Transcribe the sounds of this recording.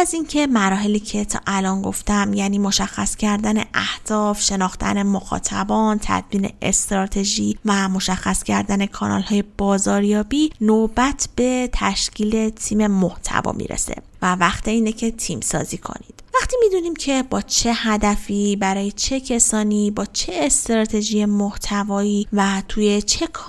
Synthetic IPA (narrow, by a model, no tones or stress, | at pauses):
æziŋcʰe̞mæɾɒːɦe̞liːcʰe̞t̪ʰɒ̰ʔælɒːnɡo̞ft̪æmjæːniːmo̞ʃæxːæscʰæɾd̪æne̞̰ʔæhd̪̥ɒːfʃe̞nɒːxt̪ʰæ̰ne̞moxɒ̰ːt̪ʰæbɒːnt̪ʰæ̰d̪miːne̞̰ʔḛst̪ɾɒːt̪ʰe̞ʒiːvæmo̞ʃæxːæscʰæɾd̪æne̞kʰɒːnɒ̰lhɒːje̞b̥ɒːzɒːɾjɒːbiːnobæt̪ʰb̥e̞t̪ʰæʃcʰiːle̞t̪ʰiːme̞moht̪ʰæ̰vɒ̰ːmḭːɾḛse̞̰vævæxt̪eiːnecʰe̞t̪ʰiːmsɒ̰ːziːkʰo̰nḭd̪̥væχt̪iːmid̪uniːmcʰe̞bɒːt͡ʃʰe̞hæd̪æfiːbæɾɒːje̞t͡ʃʰe̞cʰe̞sɒːnibɒːt͡ʃʰeːst̪ɾɒːt̪ʰe̞ʒije̞moht̪ʰævɒːiːvæt̪ʰuːje̞t͡ʃʰe̞kʰ